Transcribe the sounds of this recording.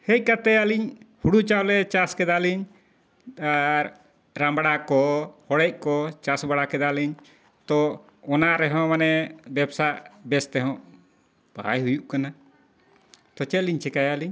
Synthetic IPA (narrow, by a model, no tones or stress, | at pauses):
hɛckat̪ɛaliɲhuɽut͡ʃawlɛt͡ʃaskɛd̪aliɲ | aɾ | ɾambɽakɔhɔɽɛc̚kɔt͡ʃasbaɽakɛd̪aliɲ | t̪ɔ | ɔnaɾɛɦɔ̃manɛbɛbsaʔbɛst̪ɛɦɔ̃ʔ | b̥aɦa̰jɦujuʔkana | t̪ɔt͡ʃɛt̪̚liɲt͡ʃɛkajaliɲ